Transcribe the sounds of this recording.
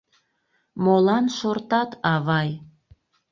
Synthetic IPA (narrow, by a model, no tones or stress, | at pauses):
molɑnʃort̪ɑt̪ʰɑβɑj